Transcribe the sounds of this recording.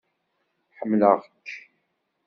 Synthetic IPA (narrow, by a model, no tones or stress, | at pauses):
ħəmːləʁkː